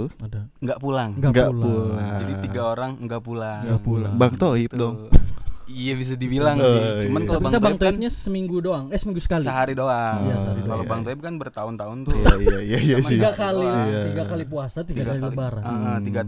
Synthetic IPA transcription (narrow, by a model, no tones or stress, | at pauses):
adaŋɡaʔpulaŋŋɡaŋɡaʔlaulaŋd͡ʒadiiɡaoɾaŋŋɡapulaŋɡapulaŋbaŋt̪oip̪̚dɔŋ | ijabis̬adibilaŋsmankalabat̪abaŋt̪oinp̚ɲasəmiŋɡudoaŋasəmiŋɡusə̥kaliəɦaɾidoajasəaɾikalobaŋt̪oɪp̚kanbərt̪aʊnt̪aʊnt̪ʊjjajaijasiɡakaliat̪iɡakalipuasat̪iɡakaliləbaɾaət̪iɡa